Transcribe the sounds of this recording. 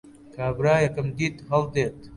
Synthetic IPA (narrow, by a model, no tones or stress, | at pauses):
kʰaːbɾaːjɐkɨmd̪iːt̪ɦɐld̪eːt̪